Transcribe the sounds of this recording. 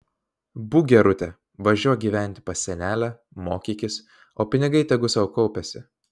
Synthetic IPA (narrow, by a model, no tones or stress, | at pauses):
buːɡʲɛɾʊt̪ʲɛ | ʋɐʒʲuːjɛɡʲiːʋʲæˑnʲt̪ʲɪ̥pɐsʲɛnʲæːlʲæ | moːkʲiːkʲɪs | oːpʲɪnʲɪɡɐɪt̪ʲɛɡʊsɐʊkɔʊpʲɛsʲɪ